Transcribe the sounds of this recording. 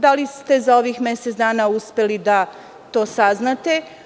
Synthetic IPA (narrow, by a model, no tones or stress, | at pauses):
d̪alist̪e̞zao̞ʋiːxme̞set̪d̪aːnauspe̞lid̪a | t̪o̞ːsaznat̪e̞